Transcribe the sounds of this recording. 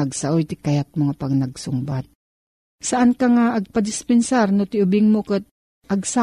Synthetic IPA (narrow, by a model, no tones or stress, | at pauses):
aɡsaʔojt̪ɪkajat̪̚moŋapaɡnaɡsʊmbat̪̚ | saʔankaŋaʔːɡ̚pad̪ɪspɛnsaɾnʊt̪ɪʔʊbɪŋmokət̪̚ | ʔaɡsa